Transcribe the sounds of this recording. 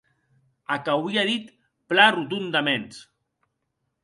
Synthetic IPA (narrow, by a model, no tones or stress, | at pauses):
akawiaðit̪ | plarut̪̬und̪amens